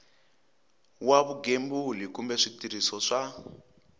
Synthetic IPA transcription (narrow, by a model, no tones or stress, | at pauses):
waβuɡembulikumbɛʂitiɾisɔʂa